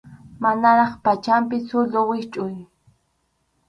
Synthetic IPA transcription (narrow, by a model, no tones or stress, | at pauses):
manaɾɑχpat͡ʃampɪsʊlowɪt͡ʃʼʊj